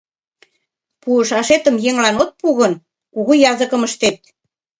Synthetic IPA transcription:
puəʃɑʃet̪ə̆mjeŋlɑnot̪̚puɣə̆n | kuɣujɑzəkə̆məʃt̪et̪̚

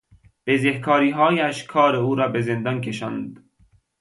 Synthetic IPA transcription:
b̥ezehkʰɒːɾiːɦɒːjæʃkʰɒːɾeuːɾɒːbezend̪ɒnkʰeʃɒ̰nd̪

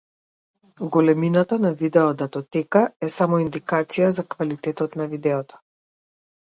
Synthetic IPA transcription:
ɡɔlɛminat̪anavid̪ɛɔd̪at̪ɔt̪ɛkaɛsamɔind̪ikat̪sijazakvalit̪ɛt̪ɔt̪navid̪ɛɔt̪ɔ̥

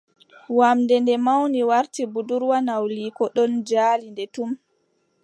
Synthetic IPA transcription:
wamdɛndɛmawniwaɾtibuduɾwanawliːkɔɗɔnd͡ʒaːlindɛtum

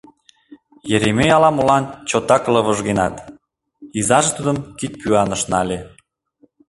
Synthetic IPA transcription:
jeɾemejɑlɑmolɑnt͡ɕot̪ɑkləβəʒɣenɑ̰t̪ | izɑʒet̪ud̪ə̆mkit̪̚pyɑnəʃnɑlʲe

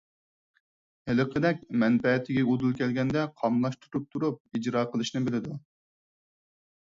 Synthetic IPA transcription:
hɪlɨqʰəd̪ɛkʲmɛnpɛt̪ʰɪɡʲɛud̪ulˠkʲʰɛlɡʲɛnd̪ɛqʰɑmlˠɑʃt̪ʰu̥t̪ʰup̚t̪ʰuɾup̚id͡ʒɾɑːqʰəlˠɨʃnɪbɪlɪd̪u

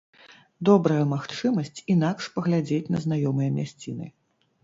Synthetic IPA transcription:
d̪ɔbɾɐjɐmaxt͡ʂɨmɐsʲt͡sʲinakʂpɐɣlʲad͡zʲet͡sʲnɐ̰znajɔmɨjɐmʲasʲt͡sʲinɨ̰

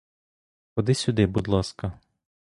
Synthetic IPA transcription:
xɔd̪ɪsʲʊd̪ɪbʊd̪lˠɑskɐ

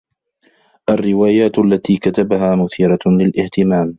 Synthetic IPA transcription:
ʔarːɪwaːjaːt̪alːat̪iːkat̪abaɦaːmʊθiːɾˤɑlɪlʔɪht̪ɪmaːm

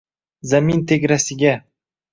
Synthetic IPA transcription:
zamint̪ʰeɡʲɾasɪɡʲa

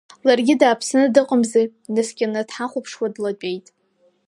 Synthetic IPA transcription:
larɡʲɪdaːpʰsɨnɨdɨqʼəmze | nɨskʲʼɪnɨdħaχʷʊpʰʂwadlat͡pʼe̞jtʼ

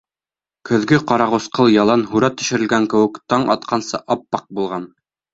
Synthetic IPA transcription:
kɵ̆ðɡɘqɑɾɑʁɤ̆sqɤlˠjɑlˠɑnɦuɾɑt̪ːɵ̆ʃɘ̆ɾɘ̆lɡæŋkɘ̆wɘ̆kt̪ɑɴʔɑ̰t̪qʰɑnsɤʔɑpːɑq̚bulˠʁɑn

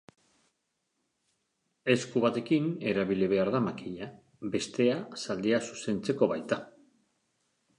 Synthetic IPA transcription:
e̞skuβat̪e̞kine̞ɾaβiliβ̞e̞aɾðamakiʎa | be̞st̪e̞asald̪easu̥se̞nt͡se̞ko̞βajt̪a

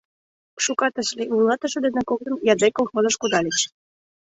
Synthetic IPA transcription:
ʃukɑt̪ə̆ʃleulˠɑt̪ə̆ʃə̆d̪ĕnə̆kok̚t̪ɤ̆njɑd̪ekolˠxozɤ̆ʃkud̪ɑlʲet͡ɕ

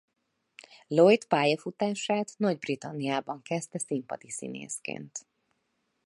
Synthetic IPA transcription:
lojt̪paːjɒfut̪aːʃaːt̪nɒɟbrit̪ɒnːijaːbɒŋkɛst̪ɛsimpɒ̰d̪isḭnḛːskḛːnt̪

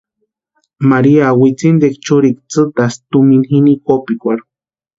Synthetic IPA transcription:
maɾiawit͡sind̪ek̚t͡ʃuɾik̚t͡sɨt̪ast̪uminxinikopikʷaɾu

